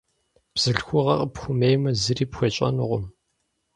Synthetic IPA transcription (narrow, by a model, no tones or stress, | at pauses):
b̥z̥ɨɬxʷʊʁɐqəpxʷʊmejmɐzɨriːpxʷɔt͡ʃʼɐ̰nʊʁʷʊm